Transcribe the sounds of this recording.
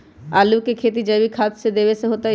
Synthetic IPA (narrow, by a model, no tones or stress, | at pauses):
aːlukekʰeːt̪̬id͡ʒəbʱikʰaːt̪sed̪eːʋeseɦoːt̪a